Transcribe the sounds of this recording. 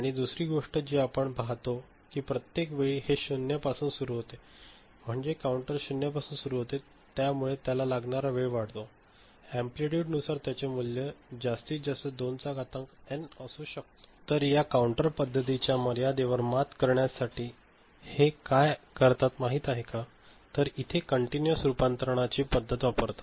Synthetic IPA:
aɽ̃id̪usɾiːɡoʂʈəd͡ʑiapəɳbʱaɦt̪o | kiːpɾət̪jekʋeɭiːheɕunjəpasuːnsuɾuːɦot̪e | m̤əɳd͡ʑekauɳʈəɾɕunjapasuːnsuɾuːɦot̪e | t̪jamuɭet̪jalalaɡɳaɾaʋeɭʋaɽt̪o | æ̃mpliʈjuːʈnusaɾt̪jat͡ɕemuljəd͡ʑast̪iːt͡sd͡zasəd̪ont͡saɡat̪əŋkɛnəsuːɕək̚t̪o̥t̪əɾjakauɳʈəɾpəd̪ʱːət̪it͡ɕjaməɾjad̪eʋəɾmat̪kəɾɳjasaʈiː | hekajkəɾt̪at̪maɦiːt̪aɦeka | t̪əɾit̪ʰekəɳʈinjəsɾupant̪ɾəɳ̃at͡ɕiːpəd̪ʱːət̪ʋapəɾt̪ḁ

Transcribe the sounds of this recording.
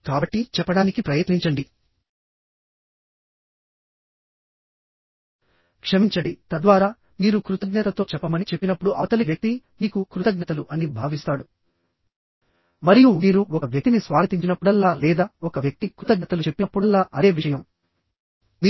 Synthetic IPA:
kaːbɐʈːit͡ʃɛpːɐɽaːnikipɾɐjɐt̪niɲt͡ʃɐɳɖi | kʂɐmiɲt͡ʃɐɽit̪ɐd̪ʋaːɾaː | niːɾukɾut̪ɐɡnɐt̪ɐt̪o̞ːt͡ʃɛpːɐmɐnit͡ʃepːinɐpːuɽuʔɐɐt̪ɐliʋjɐk̚t̪i | niːkukɾut̪ɐɡnɐt̪ɐluʔɐnibʱaːʋist̪aːɽu | mɐɾijuniːɾuɔkɐʋjɐk̚t̪inisʋaːɡɐt̪iɲt͡ʃinɐpːuɽɐlːaːlɛːd̪aːɔkɐʋjɐk̚t̪ikɾut̪ɐɡnɐt̪ɐlut͡ʃe̞pːinɐpːuɐlːaːʔɐd̪e̞ːʋiʂɐjɐm

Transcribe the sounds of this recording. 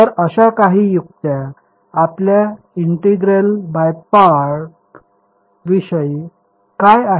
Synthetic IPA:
t̪əɾəɕakaɦiːjuk̚t̪ja | aplja | iɳʈeɡɾelbajpaɾʈ | ʋiɕəj | kaja

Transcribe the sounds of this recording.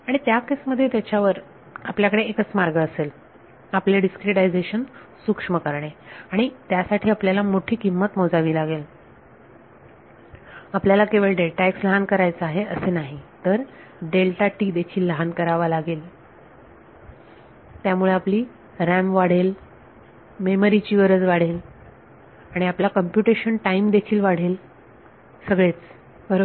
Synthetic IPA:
aɽ̃it̪jakesməd̪ʱːjet̪jat͡ɕaʋəɾ | apljakəɽeːkət͡smaɾɡəːsel | apleɖiskɾeʈajd͡zeɕənsukʂməkəɾɳeaɽ̃it̪jasaʈʰiːapljalamoʈʰiːkimːət̪mod͡zaʋiːlaɡel | apljalakeʋeɭɖelʈaeksləɦankəɾajt͡səaɦeəsenaɦit̪əɾ | ɖelʈaʈiːd̪ekʰiːlːəɦankəɾaʋalaɡel | t̪jamuɭeapliː | ɾɛmʋaɽ̤el | meməɾit͡ɕiːʋəɾət͡sʋaɽ̤el | aɽ̃iaplakəmpjuʈeɕənʈaimd̪ekʰiːlʋaɽ̤el | səɡɭet͡s | bəɾo

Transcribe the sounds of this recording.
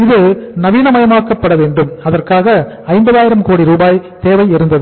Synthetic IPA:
ɪðɯnɐʋiːnɐmɐjɐmaːkːɐpːɐɽɐʋeːɳɖɯmɐðɐrkaːɣɐ | ɐɪmbɐðaːjɪɾɐmkoːɽiɾuːbaːjt̪eːʋɐɪɪɾɯnd̪ɐðɯ

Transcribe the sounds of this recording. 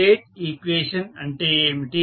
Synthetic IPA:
eːʈikʋeːʃɐnɐɳʈemiʈiː

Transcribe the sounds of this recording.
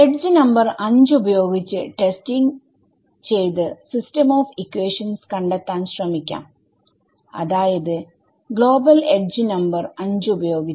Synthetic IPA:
eɖ̚d͡ʑɨnɐmbɐrɐɲd͡ʑɨubɐjo̞ːɡit͡ɕːɨʈe̞stiŋ | t͡ɕe̞jt̪ɨsistɐmoːfikːweːʂɐnskɐɳɖet̪ːaːnɕrɐmikʲːa̰ːm | ɐ̰ðaːjɐðɨ | ɡɭo̞ːbɐleɖ̚d͡ʑɨnɐmbɐrɐɲd͡ʑɨubɐjo̞ːɡit͡ɕː

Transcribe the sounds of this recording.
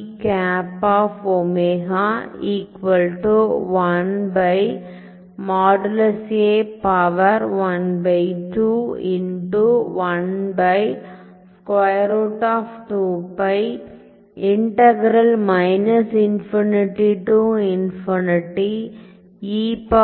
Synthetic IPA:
kaːpaːfomeːɦaiːkʋɐlʈuʋɐnbɐɪ | maːɖɐlɐseːpɐʋɐɾʋɐnbɐɪʈuɪnʈuʋɐnbɐɪ | skwɐɪɾoːʈaːfʈuːbɐɪ | ɪɳʈɐɡɾɐlmɐɪnɐsɪnfinɪʈiʈuɪnfɔnɪʈi | iːp

